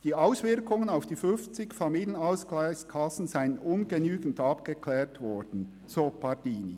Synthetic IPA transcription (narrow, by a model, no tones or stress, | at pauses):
d̥iːaʊsvɪɾkʊŋənaʊfd̥iːfʏnft͡sɪkfɑmiːljənaʊsklaɪçskʰɑsn̩zaɪənʊnɡənyːɡn̩tɑpɡ̥əkʰlɛːɾtvɔɹd̥n̩ | soːpɑd̥iːnḭ